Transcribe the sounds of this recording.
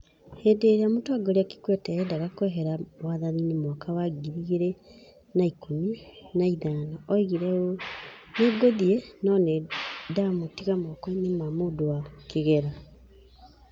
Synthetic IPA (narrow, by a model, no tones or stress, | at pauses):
hedeɾeamotoaɡoɾeaki̥kwɛtɛɛdaɣakowɛɦɛɾawaðaninimwɔkʰawaɡiɾiɣeɾe | naikominaiðanaʔɔiɣiɾɛoneɡoðiɛnɔnɛdamotiɣamɔkɔinemamodowakeɣɛɾa